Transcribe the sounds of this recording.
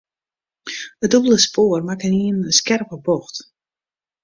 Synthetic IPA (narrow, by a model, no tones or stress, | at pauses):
ədobəlˠəspʰoːrmakəniənəskɛrpəboxt